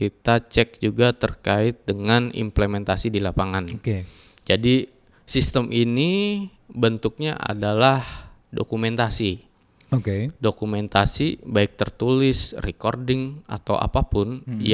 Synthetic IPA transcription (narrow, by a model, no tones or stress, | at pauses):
kit̪at͡ʃɛk̚d͡ʒuɡat̪ərkaɪt̪̚dəŋanḭmplemɛnt̪asidilapaŋanke | d͡ʒadi | sist̪əmʔini | bənt̪ʊk̚ɲa̰ʔa̰dalahdo̰kumɛnt̪asi | okedokumɛnt̪asibaɪk̚t̪ərt̪ulɪsrɛkordɪŋʔa̰t̪awʔa̰papʊnj